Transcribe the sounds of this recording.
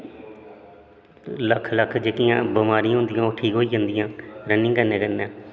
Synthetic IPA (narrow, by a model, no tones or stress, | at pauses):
ləkʰːləkʰːd͡ʒəkijãːbəmaːɾĩːãːɦʊ̃nd̪ɪjãːoːʈʰiːkɦoːiːd͡ʒãːnd̪ɪjãːɾənːĩːkəneːkənaː